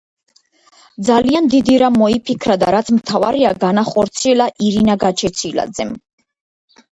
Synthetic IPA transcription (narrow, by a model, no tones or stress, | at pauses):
d̪zaliand̪id̪iɾamɔipʰikʰɾad̪aɾat̪sʰmt̪ʰava̰ɾiaɡanaχɔɾt̪sʰiɛlaʔiɾinaɡat͡ʃʰɛt̪sʰila̰d̪zɛm